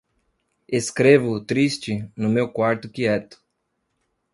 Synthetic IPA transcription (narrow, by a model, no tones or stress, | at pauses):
eskɾevʊt̪ɾist͡ʃɪnʊmewkwaɾt̪ʊkiɛt̪ʊ̥